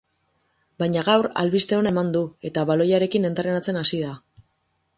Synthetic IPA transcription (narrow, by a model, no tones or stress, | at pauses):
bajɲaɣawɾa̰lβist̪e̞o̞nae̞mand̪ue̞t̪aβalo̞jaɾe̞kine̞nt̪aɾenat͡se̞nasiða